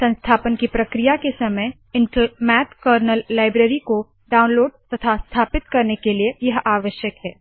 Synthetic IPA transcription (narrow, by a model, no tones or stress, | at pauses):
sɐ̃nst̪ʰaːpənkipɾɐkɾijakesɐməj | ɪ̃ɳʈəmɛːt̪kəːɾnəlːaːɪbɾeːɾiko | ɖaːʊ̃nloːɖ̚t̪ɐt̪ʰast̪ʰaːpɪt̪kɐɾnekeliejɐɦaːʋəʃjəkɦɛː